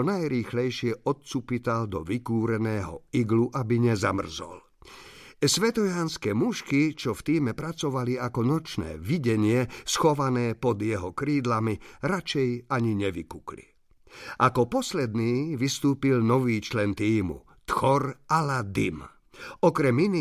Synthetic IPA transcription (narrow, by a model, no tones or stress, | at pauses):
ɔnajɾiːxlɛjʃɪɛʔɔt̪̚t͡supit̪ald̪ɔʋikuːɾɛnɛːɦɔ̰iɡluʔabiɲɛza̰mr̩zɔ̰l | sʋɛt̪ɔjaːnskɛːmuʃkit͡ʃɔft̪iːmɛpɾat͡sɔʋaliakɔnɔt͡ʃnɛ̰ːʋiɟɛɲɪɛsxɔʋanɛːpɔd̪jɛɦɔkɾiːd̪lamiɾat͡ʃɛjaɲiɲɛʋikuklḭ | ʔakɔpɔslɛd̪niːʋist̪uːpilnɔʋiːt͡ʃlɛnt̪iːmṵ | t̪xɔɾalad̪ḭm | ɔkɾɛmini